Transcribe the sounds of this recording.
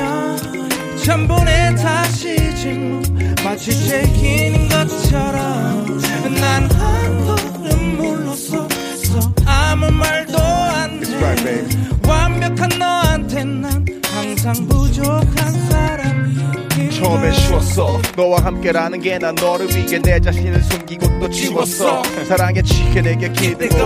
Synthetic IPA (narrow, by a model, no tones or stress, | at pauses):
t͡ɕʰʌmbonetaɕʰit͡ɕinumat͡ɕʰit͡ɕekʰinɯnɡʌt̚t͡ɕʰʌɾʌmkɯnːanantʰo | ɾɯmboʌsʌ | ʌamumaɭdoantʰsajewamːjʌkʰanːʌantʰenːankaŋs̬ʰaŋbud͡ʑokʰansʰaɾamit͡ɕʰʌmeɕʰiwʌs͈ʰʌnʌwaɦamk͈e̞ɾanɯnɡenanʌɾɯwiɡened͡ʑaɕʰinɯɭsʰonɡiɡot͈ot͡ɕiwʌs͈ʰʌsʰaɾaŋet͡ɕʰikʰeneɡekʰid